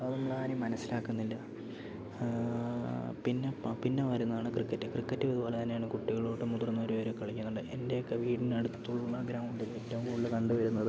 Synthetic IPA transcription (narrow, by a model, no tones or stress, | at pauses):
ɐnɐmːuɭaːɾimɐnɐsːilaːkːunːilːɐ | pinːepinːe̞ʋɐɾunːɐðaːɳɨkrikːɐtːɨkrikːɐtːɨʋɐðubo̞ːlet̪ɐnːejaːɳɨkuʈːiɣɐɭoːʈːɨmud̪rɐnːoɾuoɾukɐɭikʲːunːuɳɖɨʔe̞nde̞jokːe̞ʋiːʈineɽut̪ːuɭːɐɡɾaːmuɳɖiletːɐʋmuɭːɐkɐɳɖuʋɐɾunːɐðɨ